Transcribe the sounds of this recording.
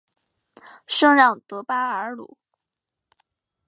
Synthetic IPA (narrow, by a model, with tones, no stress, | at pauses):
ʂɤ˥ŋɻɑ˥˩ŋt̪ɤ˧˥pa˥ə˧˥lṵ˨˩˦